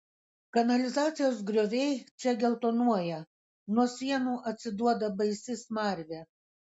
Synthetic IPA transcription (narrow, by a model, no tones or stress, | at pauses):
kɐnɐlʲɪzɑːt̪sʲɪjoːs̬ɡɾʲoːʋʲɛɪt͡ʃʲɛɡʲɛlˠt̪oːnuɔjɛ | nuɔsʲiɛnuːʔɐt̪ʲsʲɪd̪uɔd̪ɐbɐɪsʲɪsmɑˑɾʲʋʲe